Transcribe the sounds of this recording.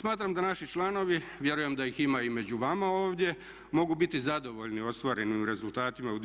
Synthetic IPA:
smaːt̪ɾamd̪anaʃit͡ʃlˠano̞ʋiʋje̞ɾuje̞md̪ajiximaime̞d͡ʑuʋamao̞ːʋd̪je̞ | mo̞ɡubit̪izad̪o̞ʋo̞ʎnio̞st̪ʋaɾe̞nimɾe̞zulˠt̪aːt̪imaud̪

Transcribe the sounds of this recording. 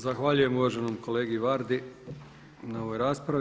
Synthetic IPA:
zaxʋaʎuje̞muʋaʒenomko̞leːɡiʋaːɾd̪i | nao̞ʋo̞jɾaːspɾaʋ

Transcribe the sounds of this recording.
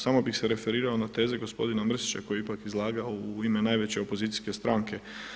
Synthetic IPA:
samo̞bixseɾe̞fe̞ɾiːɾaonat̪e̞ːzeɡo̞spo̞̰d̪inamr̩si̥t͡ɕa̰ko̞jiipakizlˠaːɡaouime̞naːjʋe̞t͡ɕe̞opo̞zit̪i̥jske̞st̪ɾaːŋke̞

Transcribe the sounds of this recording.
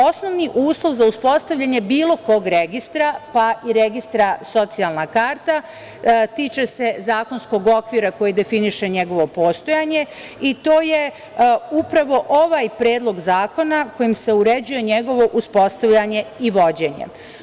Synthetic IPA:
o̞sno̞ʋniʔuːslˠo̞ʋzauspo̞st̪aʋʎʲaɲe̞biːlˠo̞ko̞ɡɾeɡist̪ɾapaiɾeɡist̪ɾaso̞t̪sijalˠnakaːɾt̪a | t̪it͡ʃe̞se̞zaːko̞nsko̞ɡo̞kʋiɾako̞jid̪e̞finiʃe̞ɲe̞ɡo̞ʋo̞po̞ːst̪o̞jaɲe̞ | it̪o̞ːje | upɾaʋo̞ʔo̞ʋaːjpɾe̞ːd̪lˠo̞ɡzaːko̞nako̞jimse̞uɾed͡ʑuje̞ɲe̞ɡo̞ʋo̞ʔuspo̞st̪aʋʎaɲe̞iʋo̞d͡ʑe̞ɲḛ

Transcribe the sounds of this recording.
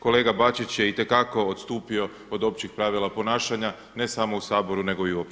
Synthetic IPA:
ko̞le̞ːɡabat͡ʃit͡ɕjeit̪e̞kako̞ot̪st̪uːpio̞ | od̪o̞pt͡ɕixpɾaʋilˠapo̞naːʃaɲa | ne̞samo̞usaːbo̞ɾune̞ɡo̞iuop

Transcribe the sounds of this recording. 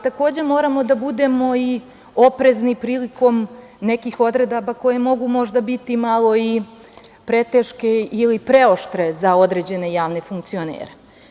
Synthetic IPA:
t̪ako̞ːd͡ʑe̞mo̞ːɾamo̞d̪abud̪e̞mo̞i | o̞pɾe̞znipɾiːliko̞m | ne̞kixo̞d̪ɾe̞d̪abako̞je̞mo̞ɡumo̞ʒd̪abit̪imalˠo̞i | pɾe̞t̪eʃkeilipɾe̞o̞ʃt̪ɾe̞zao̞d̪ɾe̞d͡ʑe̞ne̞jaːʋne̞fuŋk̚t̪sio̞nḛːɾe

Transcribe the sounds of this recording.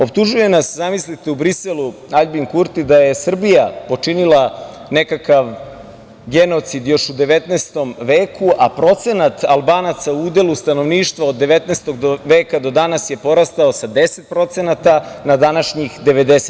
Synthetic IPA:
o̞p̚t̪uʒuje̞naszamislit̪eubɾiseluaʎbiŋkuɾt̪id̪aje̞sr̩bijapo̞t͡ʂinilˠa | nekakaʋ | ɡe̞no̞t̪sid̪jo̞ʃud̪e̞ʋe̞t̪nest̪o̞mʋeːkuʔapɾo̞t̪se̞nat̪alˠbaːnat̪sauuːd̪e̞lust̪ano̞ʋniːʃt̪ʋao̞d̪ːeʋe̞t̪neːst̪oɡd̪oʋeːkad̪o̞d̪anasje̞po̞ɾast̪aosad̪e̞set̪̚pɾo̞t̪se̞nat̪anad̪anaʃɲixd̪e̞ʋe̞d̪ese

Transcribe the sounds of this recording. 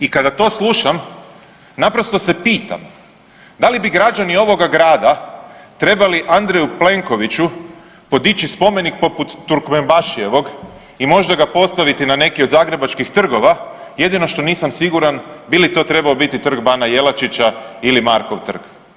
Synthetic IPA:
ikad̪at̪o̞ːslˠuʃam | napɾo̞st̪o̞se̞piːt̪a̰m | d̪alibiɡɾad͡ʒanio̞ʋo̞ɡaɡɾaːd̪at̪ɾe̞baliʔand̪ɾejuple̞ŋko̞ʋit͡ɕu | po̞d̪it͡ɕispo̞me̞nik̚po̞put̪ːuɾkmembaʃie̞ʋo̞ɡ | imo̞ʒd̪aɡapo̞st̪aʋit̪inane̞kio̞d̪zaːɡɾe̞bat͡ʃkixt̪r̩ɡo̞ʋaje̞d̪ino̞ʃt̪o̞niːsamsiɡuɾanbilit̪o̞ːt̪ɾe̞baobit̪it̪r̩ɡbanaje̞lat͡ʃit͡ɕailimaɾkoʋt̪r̩k

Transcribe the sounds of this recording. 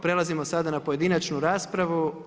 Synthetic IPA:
pɾe̞lˠazimosad̪anapoje̞d̪inat͡ʃnuɾaːspɾaʋu

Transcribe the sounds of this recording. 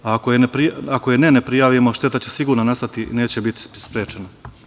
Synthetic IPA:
aːkojenepɾiakojene̞nepɾijaːʋimo̞ʃt̪e̞t̪at͡ɕe̞siɡuːɾnanast̪at̪ine̞ːt͡ɕe̞bit̪i̥spɾjeːt͡ʃena

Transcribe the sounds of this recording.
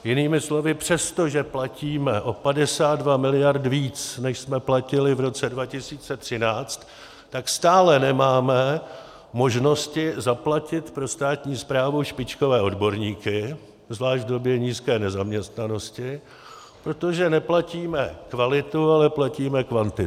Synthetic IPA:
jɪniːmɪslo̞vɪpr̝̥ɛst̪o̞ʒɛplaciːmɛʔo̞padɛsaːd̪dvamɪlɪjaɾt̪viːt͡snɛʃsmɛplacɪlɪvɾo̞t͡sɛdvacɪsiːt͡sɛt̪r̝̥ɪnaːt͡st̪ː | akst̪aːlɛnɛmaːmɛ | mo̞ʒno̞scɪzaplacɪt̪pɾo̞st̪aːt̪ɲiːspɾaːvuʃpɪt͡ʃko̞vɛːo̞dbo̞ɾɲiːkɪ | zvlaːʒdo̞bjɛɲiːskɛːnɛzamɲɛst̪nano̞scɪ | pɾo̞t̪o̞ʒɛnɛplaciːmɛkvalɪt̪ualɛplaciːmɛkvant̪ɪ

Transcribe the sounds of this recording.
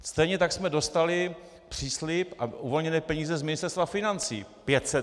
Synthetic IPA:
st̪ɛjɲɛt̪aksmɛdo̞st̪alɪ | pr̝̥iːslɪpʔaʔuvo̞lɲɛnɛːpɛɲiːzɛzmɪnɪst̪ɛɾst̪vafɪnant͡sḭːpjɛt̪sɛ

